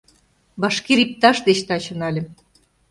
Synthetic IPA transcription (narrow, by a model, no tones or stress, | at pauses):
βɑʃkeɾip̚t̪ɑʃd̪et͡ɕt̪ɑt͡ɕə̆nɑlʲĕ